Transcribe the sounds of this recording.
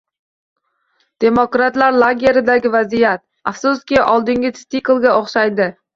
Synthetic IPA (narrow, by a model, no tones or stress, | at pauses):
d̪̥e̞mokɾat̪laɾlˠoɡʲe̞ɾɪd̪aɡʲɪvazijat̪̚ | afsʊskʲɪʔɒlˠd̪ɪŋɡʲɪst̪iklˠɡʲaoχʃajd̪ɪ